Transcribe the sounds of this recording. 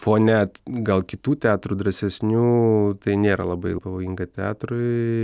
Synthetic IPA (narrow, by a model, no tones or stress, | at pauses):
foːnʲɛt̪ɡɐlˠkʲɪt̪uːt̪ʲɑːt̪ɾud̪ɾɐsʲɛsʲnʲuːt̪ɐɪnʲeːɾɐlˠɐbɐɪpɐʋoːjiŋɡɐt̪ʲɛɑ̰ːt̪ɾʊɪ